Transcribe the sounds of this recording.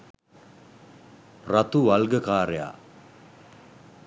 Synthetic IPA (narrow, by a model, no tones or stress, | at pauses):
rat̪uʋalɡəkaːɾəja̰